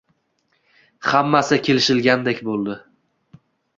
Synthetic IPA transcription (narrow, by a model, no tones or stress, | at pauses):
hamːasɪkʲʰe̞lɪʃɪlɡʲand̪ekʲbolˠd̪ɪ